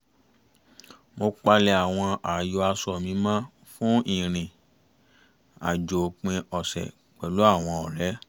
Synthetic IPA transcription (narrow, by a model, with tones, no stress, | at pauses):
mo˧k͡pa˧lɛ˧a˨w̃ɔ̃˧a˨jo˨˧a˧sɔ˨mĩ˧˦mã˦ | fũ˦ĩ˨ɾ̃ĩ˨ | a̰˨d͡ʒo˨k͡pĩ˧ɔ˨sɛ̰˨ | k͡pɛ˨lo˨˦a˦˨w̃ɔ̃˧ɔ˨ɾɛ˨˦